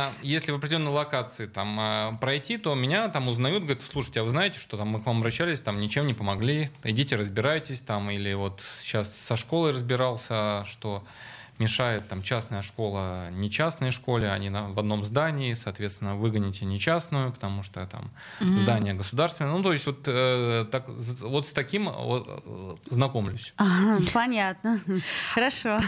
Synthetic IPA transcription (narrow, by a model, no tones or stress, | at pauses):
jesʲlʲɪvəɐp̬ɾʲdʲɪlʲonːəjɪlˠɐkat̪sɨɪt̪aməpɾɐjtʲit̪o̞mʲɪnʲat̪amʊznɐjut̪̚ɡəɾʲɪt̪slˠuʂə̥tʲːɪavɨznajɪtʲɪ̥ʂt̪o̞t̪amːɨkvamɐbɾɐɕːælʲɪsʲt̪amnʲɪt͡ɕemnʲɪpəmɐɡlʲiɪdʲitʲɪɾəzbʲɪɾajɪtʲɪsʲt̪amilʲɪvo̞t̪ɕːasːɐʂko̞lˠəjrəzbʲɪɾalˠsʲəʂt̪o̞ | mʲɪʂajɪt̪̚ːamt͡ɕasnəjəʂko̞lˠənʲɪt͡ɕasnəjʂko̞lʲɪɐ̰nʲinɐvɐd̪no̞mzd̪anʲɪːsɐːt̪vʲe̞t̪st̪ʲɪnːəvɨɡənʲɪtʲɪnʲɪt͡ɕasnʊjʊpə̥t̪ɐmuʂt̪ot̪a̰m | zd̪anʲɪjəɡəsʊd̪arst̪vɪnənut̪o̞ɪsʲtʲvo̞t̪ət̪akvo̞t̪st̪ɐkʲimo | znɐko̞mlʲʊsʲaɦapɐnʲat̪nəxəɾɐʂo